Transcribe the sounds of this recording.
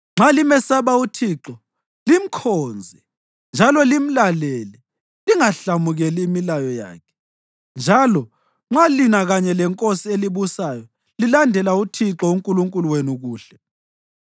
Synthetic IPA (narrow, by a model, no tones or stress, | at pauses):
ŋ͡ǁalimɛsaβautʰiːǁɔ | lim̩kʰoːnd͡zʱi | nd͡ʒʱalɔlim̩laleli | liŋaɬamuɣɛliːmilajɔja̰ːkʰɛ̥ | nd͡ʒʱalɔ | ŋ͡ǁalinaɣaɲɛlɛŋkʼosieliβusajɔ | lilandʱɛlautʰiǁɔuŋkʼuluŋkʼuluwenuɣuːɬɛ